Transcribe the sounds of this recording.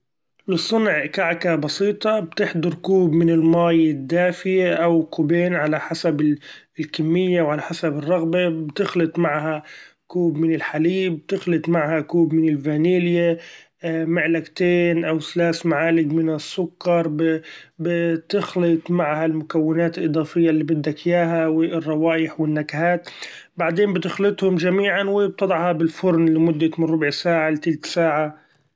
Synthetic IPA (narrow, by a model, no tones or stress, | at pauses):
lɨsˤːʊnʕkaʕkabɑsiːt̪ˤɑbt̪ɪħd̪ɑɾˤkuːbmɪnɪlmaːjɪd̪ːaːfɪjaʔawqʊbeːnʕalaħasabɪ | lkɪmːɪjːawʕalaħasabɨrˤːɑɣbabt̪ɪxlɨt̪ˤmaʕɦakuːbmɪnɪlħaliːbt̪ɪxlɨt̪ˤmaʕhakuːbmɪnɪlvaniːlɪja | mɪʕlaɡt̪eːnʔawslaːsmaʕaːlɪɡmɪnɪsːʊkːɑɾˤbbɪt̪ɪxlɪt̪ˤmaʕhalmʊkawːɪnaːt̪ɪlʔɨd̪ˤɑːfɪjːalːiːbɪd̪ːakjaːɦawɪrˤːɑwaːjɪħwɪnːakhaːt̪ | baʕd̪eːmbɪt̪ɪxlɪt̪ˤhʊmʒamiːʕanwɪb̚t̪ɑd̪ˤɑʕhɑbɪlfʊɾnlːimʊd̪ːamɪnɾˤʊbʕsaːʕalɪt̪ɪlt̪saːʕa